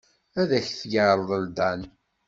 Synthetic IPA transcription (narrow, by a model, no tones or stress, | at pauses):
æðæçθjəɾðˤəld̪æn